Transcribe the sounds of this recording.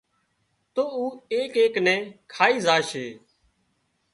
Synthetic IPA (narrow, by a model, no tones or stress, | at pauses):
t̪oːuːeːkeːknɛ̃ːkʰaːiːzaːʃeː